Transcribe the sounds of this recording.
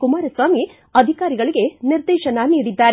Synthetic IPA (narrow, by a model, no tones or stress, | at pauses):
kumaːɾɐsʋaːmi | ɐd̪ʱikaːɾiɡɐɭiɡe̞niɾd̪ɛːʃɐnɐniːɽid̪ːaːɾe